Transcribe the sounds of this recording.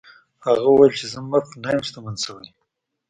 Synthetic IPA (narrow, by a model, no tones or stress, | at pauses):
haɣauwajelt͡ʃezamːafnajəmst̪amansawaj